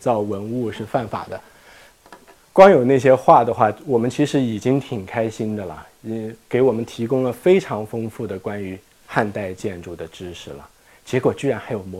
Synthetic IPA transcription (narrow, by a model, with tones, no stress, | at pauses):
t͡sɑ˥˩ʊwə˧˥nu˥˧ʂɻ̩˥˧fa˥˩nfa̰˨˩d̪ə˦ | kwɑ˥ŋjo˨˩ʊna˥˩ɪɕ̬jɛ˥xwa˥˩d̪ə˩xwa˥˩wɔ˨˩mə˦nt͡ɕʰi˧˥ʂɻ̩˧˥i˨˩t͡ɕi˥ŋt̪ʰi˨˩ŋkʰa˥ɪɕi˥nd̪ə˨lə̰˩˥ | ke˧˥ɪwɔ˨˩mə˦nt̪ʰi˧˥kʊ˥ŋlə˨fe˥ɪʈ͡ʂʰɑ˧˥ŋfɤ˥ŋfu˥˩d̪ə˩kwa˥ny˧˥ | xa˥˧nt̪a˥˧ɪt͡ɕjɛ˥˧nʈ͡ʂu˥˩d̪ə˩ʈ͡ʂɻ̩˥ʂʰɻ̩˧˩lə̰˩ | t͡ɕjɛ˧˥kwɔ˨˩t͡ɕy˥˩ɻa˧˥nxa˧˥ɪjo˨˩ʊm˧˥